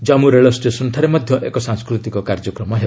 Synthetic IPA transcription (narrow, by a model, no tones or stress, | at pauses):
d͡ʒamuɾeɭɔsʈesɔnt̪ʰaɾemɔd̪ʱjɔʔekɔsaŋskɾut̪ikɔkaɾd͡ʒɔkɾɔmɔɦe